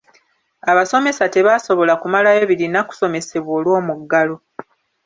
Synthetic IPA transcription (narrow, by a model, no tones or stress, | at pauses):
aβaso̞me̞sate̞βaːso̞βo̞lakumalajo̞βiɾinaku̥so̞me̞se̞βwo̞ːlwo̞ːmuɡːalo̞